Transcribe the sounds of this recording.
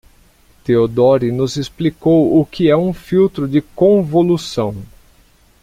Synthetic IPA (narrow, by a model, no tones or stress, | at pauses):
t̪eod̪ɔɾinʊzesplikowʊkɪɛũfiwt̪ɾʊd͡ʒɪkõvolusɐ̃w̃